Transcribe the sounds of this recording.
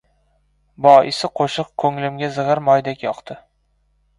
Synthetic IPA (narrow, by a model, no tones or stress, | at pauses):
bɒʔɪ̰sɪqʰoʃɨq̚kʰɵŋlɪmɡʲazɨʁɨɾmɒjd̪akʲjɒqt̪ʰɪ